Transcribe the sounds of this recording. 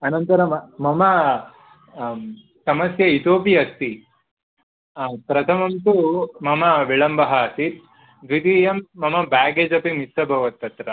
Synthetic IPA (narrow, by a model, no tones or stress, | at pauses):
ɐnɐnt̪ɐɾɐmɐmɐmɐ | sɐmɐsjɐit̪oːpiɐst̪i | pɾɐt̪ʰɐmɐmt̪umɐmɐʋiɭɐmbɐɦɐɐsit̪ | ʋid̪ijɐmːɐmɐbaːɡeːd͡ʒɐpimisɐbʱɐʋɐt̪̚ːɐt̪ɾɐ